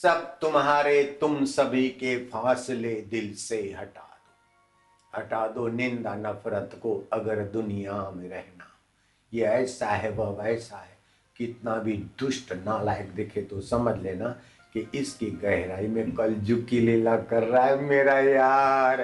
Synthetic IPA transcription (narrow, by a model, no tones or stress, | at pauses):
sɐb̚t̪ʊmɦaːɾet̪ʊmsɐbʱikefʰaːsled̪ɪlseɦɐʈaːd̪oː | ɦɐʈaːd̪onɪ̃nd̪anɐfɾət̪koɐɡəɾd̪ʊnijamẽɾɛɦna | jeɛːsaɦɛbəbɛːsaɦɛ | kɪt̪nabʱid̪ʊʃʈnalaːɪkd̪ekʰet̪osɐməd͡ʒʱleːna | kiɪskiɡɛɦɾaːimẽkɐld͡ʒʊkileːlakɐɾːaːɦɛmeːɾajaːɾ